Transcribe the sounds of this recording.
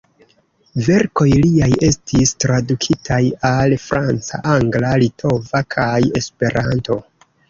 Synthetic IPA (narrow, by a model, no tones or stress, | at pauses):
ve̞ɾko̞jliaje̞stistɾadukʰitʰajalfɾant͡sa̰ʔaŋɡlalitʰo̞vakʰaje̞spe̞ɾʔanto̞